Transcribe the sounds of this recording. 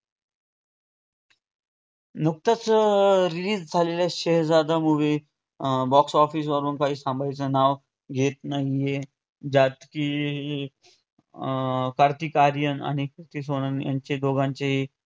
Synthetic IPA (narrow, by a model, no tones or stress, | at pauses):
nuk̚t̪at͡səɾiliːd͡zd͡zʱalelaɕeɦd͡zad̪amuʋe | bɔksɔfiːs̬ʋəɾuːnkaɦiːsãmbajt͡sənaʋ | ɡʱet̪naɦije | d͡ʑat̪ki | kəɾt̪ikaɾjəna̰ɽ̃ikʰiɾt̪is̬onənja̰ɲt͡ɕed̪oɡãɲt͡ɕeɦi